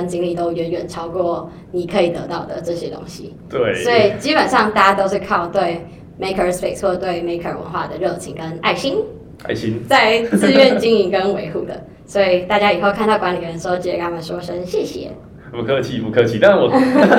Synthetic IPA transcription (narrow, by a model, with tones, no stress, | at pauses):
ə˧nt͡ɕi˧˥ŋli˨˩t̪o˥ʊɥɛ˧˥nɥɛ˨˩nʈ͡ʂʰɑ˥ʊkwɔ˥˩ | ni˨˩kʰɤ˧˥i˨˩t̪ɤ̰˧˥t̪ɑ˥˩ʊd̪ə˩ʈ͡ʂɤ˥˩ɕjɛ˥t̪o̰˥ŋɕḭ˨ | t̪we˥˩ɪswɔ˧˥i˨˩t͡ɕi˥pə˨˩nʂɑ˥˧ŋt̪a˥˩ja˥t̪o˥ʊʂ̩˥˧kʰɑ˥˧ʊt̪we˥˩ɪ | me˧˥ɪkʰə˧spe˥˨˩ɪsxwɔ˥˧t̪we˥˩ɪme˧˥ɪkʰə˨˩wə̰˧˦nxwa˥˩d̪ə˩ɻɤ˥˩t͡ɕʰi˧˥ŋkə˦na̰˥˩ɪɕi˥n | a̰˥˩ɪɕi˥nt͡sa˥˧ɪt͡sɹ̩˥˧ɥɛ˥˩nt͡ɕi˥ŋi˧˥ŋkə˦nwe˧˥ɪxu˥˩d̪ə̰˩ | swɔ˧˥i˨˩t̪a˥˩t͡ɕja˥i˨˩xo˥˧ʊkʰa˥˧nd̪ɑ˥˩ʊkwa˧˥nli˨ɡə˧ɻə˧˦nʂ̩˧˥o˥˧t͡ɕi˥˩jkn˥ma˧˩ʂwɔ˥ʂə˥nɕjɛ˥˧˩ɕjɛ̰˨˩˦ | pu˧˩kʰɤ˥t͡ɕʰi˨˩pu˧˥kʰɤ˧t͡ɕʰi˨˧na˥˩wɔ˨˩